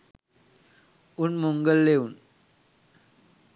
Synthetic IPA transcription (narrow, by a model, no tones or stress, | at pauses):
unmuŋɡəlːeun